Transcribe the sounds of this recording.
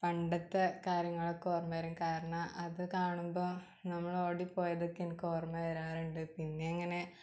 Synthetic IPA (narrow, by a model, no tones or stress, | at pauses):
pɐɳɖɐt̪ːɐkaːɾjɐŋːɐɭeko̞ːrmɐɾumkaːɾɐɳɐʔɐðɨkaːɳumbo̞ː | nɐmːɐɭo̞ːɽipːo̞ːjɐðokːinkoːrmɐɐɾaːɾuɳɖɨpinːeɐŋːɐne̞